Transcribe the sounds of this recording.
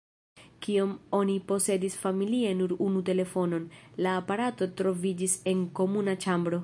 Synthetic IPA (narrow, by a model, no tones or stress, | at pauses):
kiomo̞nipo̞se̞disfamilie̞nuɾunute̞le̞fo̞no̞nlaːpaɾato̞tɾo̞vid͡ʒise̞ŋko̞munat͡ʃambɾo̞